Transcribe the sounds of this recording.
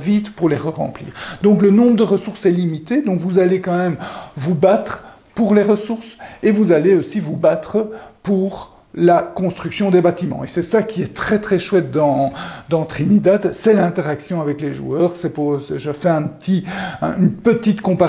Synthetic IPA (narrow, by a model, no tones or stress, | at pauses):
vit̪puʁleʁəʁɑ̰̃plḭːʁd̪ɔ̃klənɔ̃bʁəd̪əʁəsuʁsɛlimit̪ed̪ɔ̃kvuzalekɑ̃mɛmvubat̪χ | puʁleʁəsuʁsevuzaleosivubat̪χəpuʁ | lakɔ̃st̪χyksjɔ̃d̪ebat̪imɑ̰̃esɛsakʲiɛt̪χɛt̪χɛʃwɛt̪̚d̪ɑ̃d̪ɑ̃t̪χinid̪at̪sɛlɛ̃t̪ɛʁaksjɔ̃avɛkleʒṵœːʁsɛposɛʒəfɛɛ̃pt̪ʰiɛ̰̃ynpət̪it̪kɔ̃pa